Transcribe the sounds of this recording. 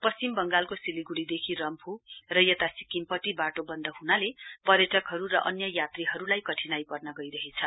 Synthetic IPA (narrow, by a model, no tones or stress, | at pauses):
pʌst͡simbʌŋɡalkosiliɡuɽid̪ekʰirʌmpʰurʌjʌt̪asi̥kimpʌʈibaʈobʌnd̪ʌɦunalepʌɾjʌʈʰʌkɦʌɾuɾʌʔʌnjʌjat̪riɦʌɾulajkʌʈʰinajpʌrnʌɡʌjɾʌɦet͡sʰʌ